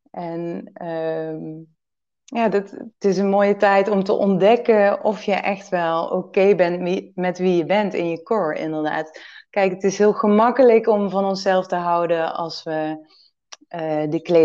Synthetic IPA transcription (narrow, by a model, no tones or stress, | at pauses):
ʔɛnəm | jaːdɑttɪs̬ənmoːjətɛjtɔmtə̰ʔɔndɛkəɔfjəʔɛxtʋɛlˠo̰ːkejbɛnmɛtʋijəbɛntɪ̰njəkʊːɹɪ̰ndəɹda̰ːtkɛjkətɪsɦɪːlˠɣəmɑkələkɔmvɑnɔnsɛlˠftəɦɑwdəɑ̰lˠsʋə | ədəkle